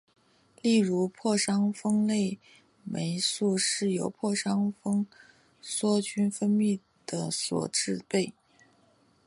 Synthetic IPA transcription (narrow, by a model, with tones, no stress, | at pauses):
li˥˩ɻu˧˥pʰwɔ˥˩ʂɑ˥ŋfɤ˥ŋle˥˩ɪ | me˧˥ɪsu˥˧ʂɻ̩˥˩jo˨˧˥ʊpʰwɔ˥˩ʂɑ˥ŋfɤ˥ŋ | swɔ˥t͡ɕʰy˥nfə˥nmi˥˩ | d̪̥ə˩swɔ̰˨˩ʈ͡ʂɻ̩˥˧pe˥˩ɪ